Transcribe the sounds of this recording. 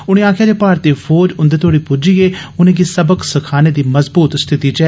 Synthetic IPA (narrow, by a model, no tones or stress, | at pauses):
ʊɽ̃ẽːaːkʰjaːd͡ʒeːpaːɾt̪eːfʰoːd͡ʒʊ̃nd̪eːt̪ʰoːɽiːpʊd͡ʒiːɡeːʊnẽːɡiːsəbəksəkʰaːneːd̪iːməzbuːt̪st̪ʰɪt̪iːt͡ʃɛ